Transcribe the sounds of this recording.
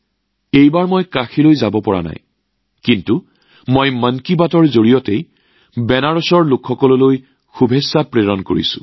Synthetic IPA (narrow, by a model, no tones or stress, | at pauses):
ejbaɹmojkaxilojzabɔpɔɹa̰na̰j | kintu | mojmənkibatɔɹzoɹijɔtej | bɛnaɹɔsɔɹlʊkʰxɔkɔlɔloj | xubʱesːapɹeɹɔnko̰ɹḭsʊ̥̰̃